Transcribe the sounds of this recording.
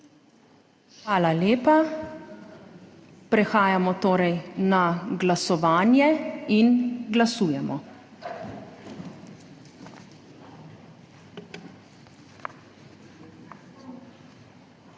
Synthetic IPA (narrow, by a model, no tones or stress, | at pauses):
xʋaːlaleːpa | pɾɛxaːjamɔt̪oːɾɛjnaɡlasɔʋaːnjɛinɡlasuːjɛmɔ